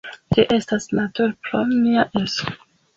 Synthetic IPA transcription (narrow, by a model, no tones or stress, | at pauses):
d͡ʒiʔe̞stasnatuɾpɾoniaʔeso